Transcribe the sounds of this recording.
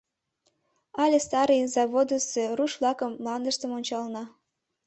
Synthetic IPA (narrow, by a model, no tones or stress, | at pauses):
ɑlʲest̪ɑɾɨjzɑβod̪əseruʃβlɑkəmlɑnd̪ə̆ʃt̪əmonʲt͡ɕɑlnɑ